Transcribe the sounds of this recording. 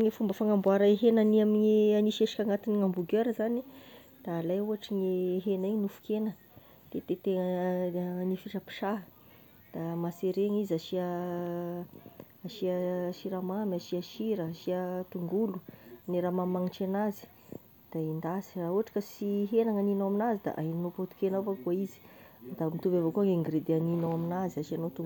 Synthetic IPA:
ŋifumbəfaŋambuaɾaeɦenaniamiɲianiʃeʂi̥kʲaŋat̪iniŋambuɡøɾəzani | d̪̥aːlajuaʈ͡ʂiŋiɦenaiɲinufu̥kenə | t̪et̪et̪eŋə | nifiʈ͡ʂəpi̥ʂaɦ | d̪̥amaseɾeŋizaʃia | aʃiaʃiɾamamaʃiaʃiɾəaʃiat̪uŋɡuluneɾamamaŋiʈ͡ʂenazi̥ | d̪̥aind̪asi̥raɦuɦaʈ͡ʂḁkəsiɦenaŋaninawaminazid̪a̰ʔaɦinnopot̪u̥kenavakuaizi̥d̪amit̪umbavokuaŋeŋɡɾed̪eaninowaminaziaʃianot̪u

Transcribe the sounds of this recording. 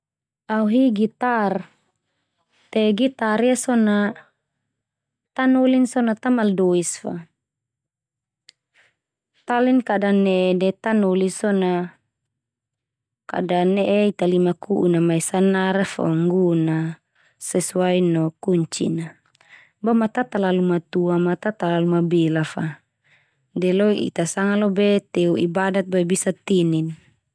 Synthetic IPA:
auɦiɡit̪ar | t̪ɛɡit̪aɾijasɔna | t̪anolinsɔnat̪amaldɔisfa̰ | t̪alinkadanɛdɛt̪anɔlisɔna | ka̰daneʔeit̪alimakuʔunamaisanaɾafɔ̰ŋɡuna | sɛsuainɔkuɲt͡ʃḭna | bamat̪at̪alalumat̪uamat̪at̪alalumabɛlafa | dɛloiʔḭt̪asaŋalɔbeɛt̪euibadat̪̚baibisat̪inin

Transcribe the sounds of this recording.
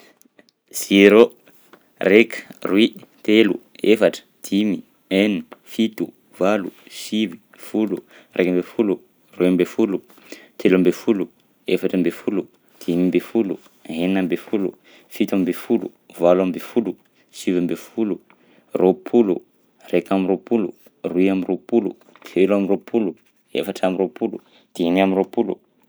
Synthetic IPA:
z̥iɾo | rekrwit̪elṵ | efaʈ͡ʂə̥d̪̥imi | enifit̪u | valusivi | fulu | rʔekambefulu | rwimbefulu | t̪ʰelambefulu | efaʈ͡ʂambefulu | d̪̥imimbefulṵ | ɦeninambefulṵ | fit̪amibefulṵ | valamimbefulu | sivambefulu | ropʰulu | rekamiropulṵ | ruiaminropulṵ | t̪ʰelamiropʰulu | ḛfaʈ͡ʂamiropulu | d̪̥inamiropulṵ

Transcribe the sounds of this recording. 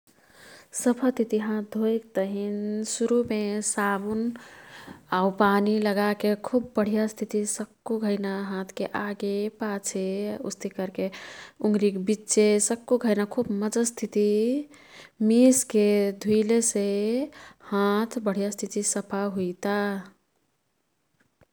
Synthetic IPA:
səpʰət̪it̪iɦãt̪̚d̪ʱoek̚t̪əɦinsuɾumesabun | aupaniləɡakekʰubːəɽ̤ijast̪ʰit̪isəkːuɡʱəɪnaɦãt̪ʰkeʔaɡepat͡ʃʰeṵst̪ʰikəɾkeuŋɡɾikbitːt͡ʃesəkːuɡʱəɪnakʰubməd͡ʒəst̪ʰit̪i | misked̪ʱuilese | hãt̪ʰbəɽ̤ijast̪ʰit̪isəpʰaɦuit̪a

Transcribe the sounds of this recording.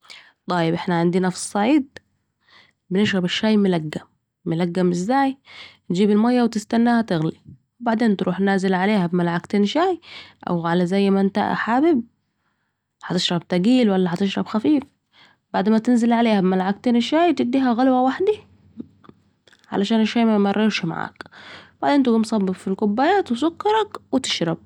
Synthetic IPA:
t̪ˤɑːjɪbʔɪħnaʕɪnd̪inɑfsˤsˤːɑʕiːd̪̚ | bɪnɪʃɣɑbaʃːaːjmɪlaɡːamː | ʊlaɡːamʔɪzːaːjt̪d͡ʒiːbɪlmajːawt̪ɪst̪anːaːhat̪ɪɣli | wbaʕd̪eːnt̪ɾʔṵːħnaːzɪlʕaleːhabmalʕakt̪eːnʃaːjʔa̰wɣʕalazajːmʔɪnt̪a̰ʔħaːbɪb̚ | ħɑt̪ɪʃɾˤɑbt̪aɡiːlwalːaħɑt̪ɪʃɾˤɑbxafiːf | baʕd̪mat̪ɪnzɪlʕaleːhabɪmalʕak̚t̪enʃaːjt̪ɪd̪ːiːɦaɣalwawaħd̪i | ʕa̰laʃaːnɪʃːaːjmajmɑrˤːɪɾʃma̰ʕa̰ːkbaʕd̪eːnt̪̬ɪɡumsˤɑbːɪbfilkʊbːajaːt̪wɪsʊkːɑɾˤɑkwɪt̪ɪ̥ʃɾˤɑb̚

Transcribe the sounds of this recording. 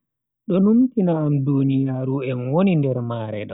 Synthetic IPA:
ɗɔnuntinaːmdunijaːɾuɛnwonindɛɾmaːɾɛ̰ɗɔ

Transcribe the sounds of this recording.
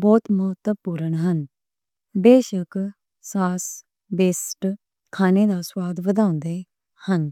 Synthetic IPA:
bɔːt̪məɦət̪ːəpuːɾəɳɦɐn | beːʃək | saːs | beːsʈ | kʰaːned̪aswaːd̪ʋəd̪ʱãːʊ̃nd̪e | hən

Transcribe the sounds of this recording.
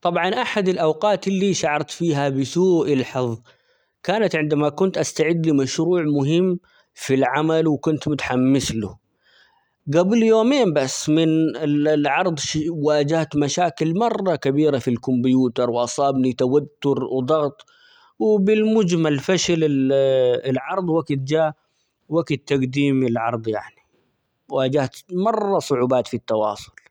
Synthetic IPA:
t̪ˤɑbʕɑnʔaħad̪ɪlʔawqɑːt̪ɪlːiʃaʕɑɾˤt̪fiːɦabɪsuːʔɪlħɨðˤ | kaːnat̪ʕɪnd̪amakʊnt̪ʔast̪aʕɪd̪ːlimaʃɾuːʕmʊɦɪmː | filʕamalwɪkʊnt̪mʊt̪ħamːɪslʊ | ɡabljoːmeːmbasːmɪnɪlʕɑɾˤd̪ˤʃwaːd͡ʒaht̪maʃaːkɪlmɑrˤːɑkabiːɾafilkʊmbjuːt̪ɑɾˤwʔɑsˤɑːbnit̪awat̪ːʊɾwd̪ˤɑɣt̪ˤ | wɪbɪlmʊd͡ʒmalfaʃalɪ | ɪlʕɑɾˤd̪ˤwaɡt̪̚d͡ʒaː | waɡt̪ːaɡd̪iːmɪlʕɑɾˤd̪ˤjaʕni | wʔaːd͡ʒaht̪mɑrˤːɑsˤʊʕuːbaːt̪fit̪ːɑwɑ̰ːsˤʊ̥l

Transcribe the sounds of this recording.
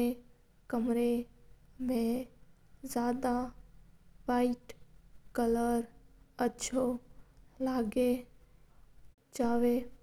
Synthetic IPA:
e | kəmɾe | mẽ | zjaːd̪a | ʋaɪʈkələɾətːʃʰo | laːɡe | d͡ʒaːʋe

